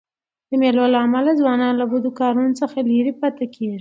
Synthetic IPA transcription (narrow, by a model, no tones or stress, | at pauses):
d̪əmelolaːmalazwɑnɑnlabud̪ukɑɾunot͡səxaliɾipat̪akʰeʒi